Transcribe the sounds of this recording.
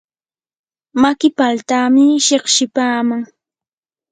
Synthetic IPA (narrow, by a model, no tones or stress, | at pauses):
makɪpalt̪amɪʃeχʃɪpaːmaŋ